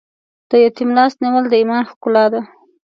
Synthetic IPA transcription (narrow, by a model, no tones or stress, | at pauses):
d̪̥əjat̪imlɑst̪niwəld̪əimɑnxkʊlɑd̪a